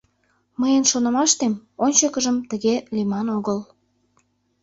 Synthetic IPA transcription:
məjənʃonə̆mɑʃt̪emonʲt͡ɕəkəʒəmt̪əɣelimɑnoɣəl

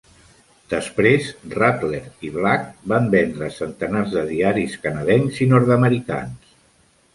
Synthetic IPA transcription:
d̪̥əspɾezrat̪leɾiβlak̚bambɛnd̪ɾəsənt̪ənarzðəðiaɾiskənəðɛŋzinɔɾðəməɾika̰ns

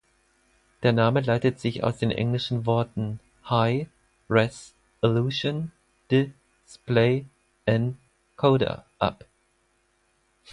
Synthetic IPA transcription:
d̥eːɐnaːməlaɪtətz̥ɪça̰ʊsd̥eːnʔɛ̰ŋlɪʃn̩vɔɐtn̩ | haɪ | ʁɛs | ɪluʃon | d̥ɪ | spleɪ | ʔant | kʰoʊɾɐ̰ʔa̰p

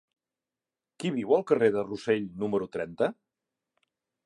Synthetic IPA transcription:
kiβiwəlˠkəreðəruseʎnuməɾut̪ɾɛnt̪ə

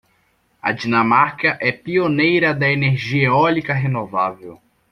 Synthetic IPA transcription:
ɐ̰d͡ʒinɐ̃maɾkɐʔɛpionejɾɐd̪ɐeneɾʒiɐeɔlikɐɦenovavew

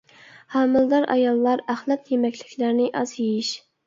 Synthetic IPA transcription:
hɑmɨld̪ɑɾʔɑ̰jɑlˠːɑɾæχlˠæt̪jemɛkʲlɪkʲlæɾnɪʔɑzjejiʃ

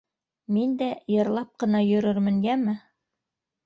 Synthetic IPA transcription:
mind̪æjɤ̆ɾlˠɑp̚qɤ̆nɑjɵ̆ɾɵɾmɘ̆ŋɡæmɘ

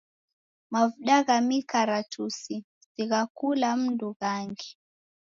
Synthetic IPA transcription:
mavuɗaɣamikaɾatʰusi | ziɣakulam̩nduɣaŋɡi

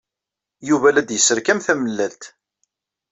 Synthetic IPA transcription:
juvælæd̪jəsːəɾkæmθæməlːælt̪

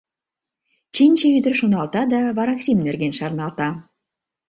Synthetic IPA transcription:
t͡ɕinʲt͡ɕeyd̪ɘ̆rʃonɑlt̪ɑd̪ɑβɑɾɑksʲimnɘ̆rɡʲenʃɑɾnɑlˠt̪ɑ

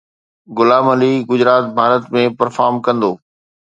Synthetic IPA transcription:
ɡʊlaːmɐliɡʊd͡ʑɾaːt̪̚bʱaːɾət̪mẽpɐɾfaːɾmkɐ̃nd̪oː

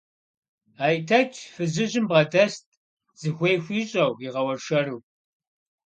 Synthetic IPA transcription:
aːjtʰɐt͡ʃʰʼfɨzɨʑɪmbʁɐdɐst̚ʰʼ | z̥ɨxʷejxʷiːɕʼɐwiʁɐwɐrʃɐruː

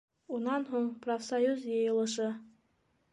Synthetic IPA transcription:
unɑnɦuɴprofsajuzjɤjɤ̆lˠɤ̆ʃɤ

